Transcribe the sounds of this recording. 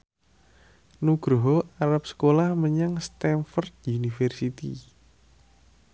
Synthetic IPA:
nuɡ̥ɾoɦoaɾap̚sə̥kolahməɲaŋst̪ɛnfɔrt̪̚unifɛrsit̪ḭ

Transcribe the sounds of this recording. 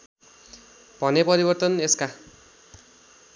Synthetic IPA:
b̥ʱʌnepʌɾibʌrt̪ʌneska

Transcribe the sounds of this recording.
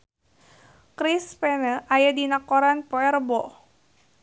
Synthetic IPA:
kɾispɛnəʔajadinakoɾanpoɛɾbɔ

